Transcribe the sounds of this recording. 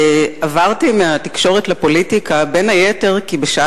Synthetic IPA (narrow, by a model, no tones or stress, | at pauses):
avaʁtimeat̪ikʃo̞ʁetlapo̞litikabe̞nhajete̞ʁkibeʃa